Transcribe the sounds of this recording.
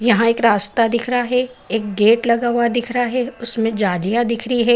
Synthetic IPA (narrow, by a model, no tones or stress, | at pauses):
jɐɦãeːkɾaːst̪ad̪ɪkʰɾaɦɛeːk̚ɡeːʈlɐɡaːʋwad̪ɪkʰɾaɦɛʊsmẽd͡ʒaːlijad̪ɪkʰɾiɦɛ